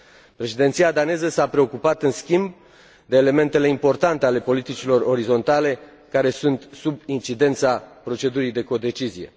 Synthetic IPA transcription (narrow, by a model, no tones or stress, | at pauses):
pɾe̞ʃid̪e̞nt̪siad̪ane̞zəsapɾe̞o̞kupat̪ɨnskʲimb | d̪e̞ːle̞me̞nt̪e̞le̞impo̞rt̪ant̪e̞ale̞po̞lit̪it͡ʃilo̞ro̞ɾizo̞nt̪ale̞ | kaɾe̞sunt̪subint͡ʃid̪e̞nt̪sapɾo̞t͡ʃe̞d̪uɾijd̪e̞ko̞d̪e̞t͡ʃizije̞̰